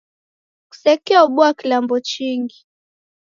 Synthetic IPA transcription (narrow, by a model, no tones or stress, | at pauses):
ku̥sɛkɛauɓuakilambɔt͡ʃiŋɡi